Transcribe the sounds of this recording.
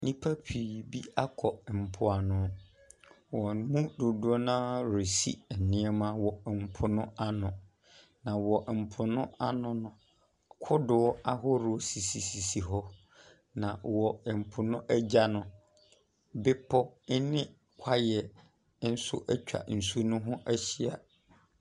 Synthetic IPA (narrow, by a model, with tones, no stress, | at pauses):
nĩ˦pʰa˦pʰi˨bi˦a˦kʰɔ˨m̩˨pʰʊ˨a˨nʊ̃˦ | wɔ˨n˨˦mũ˦dʊ˨dʊ˦ɔ˦nã˦ɾe˨sḭ˦ɛ˨nɪ̃˦ɛ˦mã˦wɔ˨m̩˨pʰʊ˨nʊ̃˦a˦nʊ̃˨ | nã˨wɔ˨m̩˨pʰʊ˨nʊ̃˦a˦nʊ̃˦nʊ̃˦ | kʰʊ˦dʊ˨wɔ˦a˦ɦʊ˦ɾʊ˨o˨si˨si˨si˨si˨ɦɔ˦ | nã˨wɔ˨m̩˨pʰʊ˨nʊ̃˦ʔæ˦d͡ʑa˦nʊ̃˦ | bɪ˦pʰɔ˦nɪ̃˦ | kʷʰa˦jɛ˨˦ | n̩˦sʊ̰˦ʔɛ˦t͡ɕᶣa̰˨n̩˨su˦nʊ̃˦ɦʊ̃˦ʔæ˦ɕi˦a˨